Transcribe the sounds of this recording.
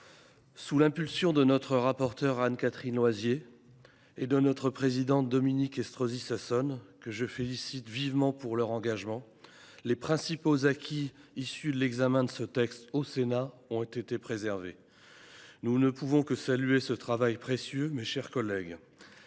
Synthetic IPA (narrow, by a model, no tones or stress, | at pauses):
sulɛ̃pylsjɔ̃d̪ənɔt̪χəʁapɔʁt̪œʁankat̪χinlwazjeː | d̪ənɔt̪χəpχezid̪ɑ̃td̪ɔminikɛst̪χozisasɔnkəʒəfelisit̪vivmɑ̃puʁlœʁɑ̃ɡaʒmɑ̃ | lepχɛ̃sipozakʲʰiːsyd̪əlɛɡzamɛ̃d̪əsət̪ɛkst̪osena | ɔ̃t̪et̪epχezɛʁve | nunəpuvɔ̃kəsalyesət̪χavajpχesjømeʃɛʁkɔlɛɡ